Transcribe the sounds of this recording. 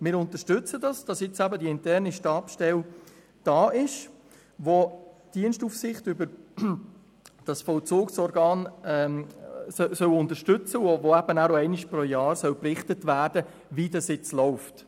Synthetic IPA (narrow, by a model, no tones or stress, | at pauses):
mɪːɾʊntəʃtʏt͡sədɑsd̥ɑsjɪt͡sæbədiɪntɛrniʃtɑːpʃtɛl | d̥ɑːʔɪʃ | ʋod̥iənʃtufsɪχtʏbəɾ | d̥ɑsfɔwt͡soːksɔɾɡɑːnɛ | sœsœwʊntəʃtʏt͡səovoæbənæːɾoɛɪnɪʃpɾɔjɑːɾsœwprɪχtətvæːrdə | vidɑsjɪt͡slɔʊft